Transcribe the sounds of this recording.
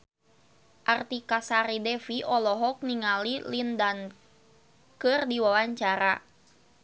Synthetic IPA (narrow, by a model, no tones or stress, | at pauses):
ʔart̪ikasaɾidɛfiʔɔlɔɦɔk̚niŋalilindan | kɨrdiwawaɲt͡ʃaɾa